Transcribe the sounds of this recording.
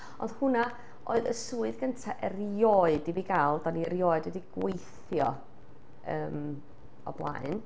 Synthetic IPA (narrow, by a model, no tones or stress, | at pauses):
ɔnd̥hʊna | ʔoɨðə̰suːɨðɡəntʰaʔɛrjɔːɨdibiɡalˠdaniəɾjɔːɨdɛdiɡ̥wejθ | jɔ | əːm | ɔ̰blˠa̰ɨn